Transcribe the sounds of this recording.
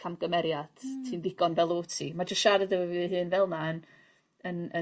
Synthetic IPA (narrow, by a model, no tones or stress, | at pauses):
kʰamɡ̥əmɛɾjad̥tʰiːnðɪɡɔnvɛlˠoːtʰḭmad͡ʒəsʃaɾədəvɔvɨɦɨːnvɛlˠnaən | ənə